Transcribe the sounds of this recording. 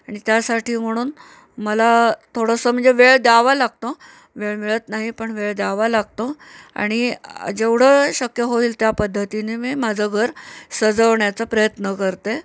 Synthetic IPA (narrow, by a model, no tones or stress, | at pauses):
aɽ̃it̪jasaʈʰiːm̤əɽ̃uːn | məlat̪ʰoɽəsəːm̤əɳd͡zeʋeɭd̪jaʋalaɡ̚t̪o | ʋeɭmiɭət̪naɦipəɳʋeɭd̪jaʋalaɡt̪oa̰ɽ̃id͡ʑeʋɽ̤əɕəkjəɦoiːlt̪japəd̪ʱːət̪inemiːmad͡zʱəɡʱəɾsəd͡zəʋɳjat͡səpɾəjət̪nəkəɾt̪e